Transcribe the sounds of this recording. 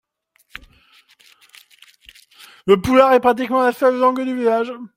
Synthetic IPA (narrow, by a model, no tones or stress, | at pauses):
ləpulaʁɛpχat̪̬ikmɑ̃lasœllɑ̃ɡd̪yvilaʒ